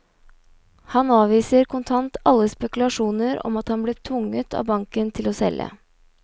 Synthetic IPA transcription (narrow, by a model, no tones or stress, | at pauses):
hɑnɑːʋiːsəɾkʰʊnt̪ʰɑnt̪ɑlːəspɛkʉlɑʂuːnəɾɔ̰mɑt̪hɑnbleːt̪ʰʋʊŋət̪ʰɑ̰ːbɑŋkənt̪ʰɪloːsɛ̰lə̰